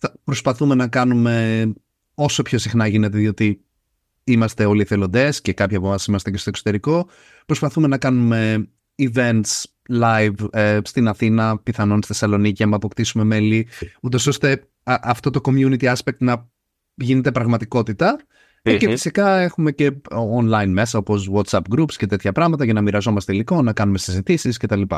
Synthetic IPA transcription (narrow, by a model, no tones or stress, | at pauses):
θɐpɾo̞spɐθume̞nɐkɐnume̞ | o̞so̞pço̞sixnɐʝine̞t̪eðio̞t̪i | imɐst̪e̞o̞lieθelo̞nd̪e̞sce̞kɐpçɐpovɐsimɐst̪ece̞st̪oksot̪eɾiko̞ | pɾo̞spɐθume̞nɐkɐnume̞ | ive̞nt̪s | lɐjvest̪inɐθinɐpiθɐno̞nst̪esɐlo̞nicɐmɐpo̞kt̪isume̞me̞liut̪o̞so̞st̪e̞ | ʔɐft̪o̞t̪o̞ko̞mjunit̪iɐspek̚t̪nɐ | ʝine̞t̪̬e̞pɾɐɣmɐt̪iko̞t̪it̪ɐ | cefi̥sikɐe̞xume̞ce̞onlɐjnme̞sɐo̞po̞swɐt̪sɐpɡɾupscet̪e̞t̪çɐpɾɐɣmɐt̪ɐʝɐnɐmiɾɐzo̞mɐst̪eiliko̞nɐkɐnume̞sizit̪isisce̞t̪ɐlipɐ̰